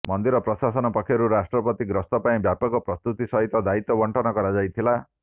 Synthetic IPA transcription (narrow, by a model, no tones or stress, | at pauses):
mɔnd̪iɾɔpɾɔsasɔnɔpɔkʰjɔɾuɾasʈɾɔpɔt̪iɡɾɔst̪ɔpaĩbjapɔɡɔpɾɔst̪ut̪isɔɦit̪ɔd̪ait̪ɔbɔɳʈʰɔnɔkɔɾad͡ʒajt̪ʰila